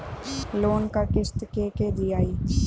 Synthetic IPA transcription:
loːnkəɾkɪst̪keked̪iaːiː

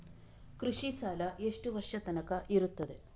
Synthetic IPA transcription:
kɾuʂisaːlɐe̞ʂʈuʋɐrʂɐt̪ɐnɐkːɐʔiɾut̪ːɐd̪ɨ

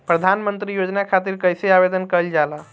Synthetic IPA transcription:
pɾəd̪ʱanmənt̪ɾijod͡ʒnakʰat̪iɾkəjseabed̪ənkəld͡ʒalə

